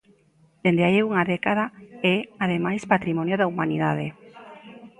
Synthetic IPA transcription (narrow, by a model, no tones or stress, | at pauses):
d̪̥end̪eaiuŋaðekað̞aɛaðemajspat̪ɾimonjoðaumaniðaðe